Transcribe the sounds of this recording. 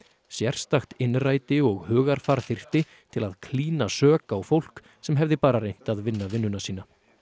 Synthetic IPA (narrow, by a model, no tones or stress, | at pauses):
sjɛr̥st̪axt̪ɪnraːjt̪ɪɔɣhœːɣaɾ̥faɾθɪr̥t̪ɪ | t̪ʰɪlaðkʰliːnasœːkaːwfowl̥k | sɛmɦɛvðɪpaːɾarejn̥t̪aðvɪnːavɪnːʏnasiːna